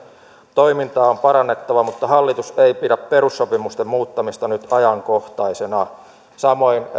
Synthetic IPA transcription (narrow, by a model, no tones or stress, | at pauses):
t̪oimint̪ɑːompɑɾɑnːe̞t̪ːɑʋɑmut̪ːɑhɑlːit̪useipidæppe̞ɾusːo̞pimust̪emmuːt̪ːɑmist̪ɑnyt̪ɑjɑŋkoht̪ɑisenɑ | sɑmo̞in